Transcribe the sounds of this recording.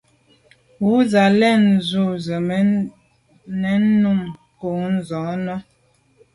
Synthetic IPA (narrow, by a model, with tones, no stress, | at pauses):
wu˦za˨lɛ˦˨n˨zu˦˨zə˨˦ | nɛ˨˦n˦nːu˦˨m | ko˨n̩˦zɔ̃˨˦nɔ˦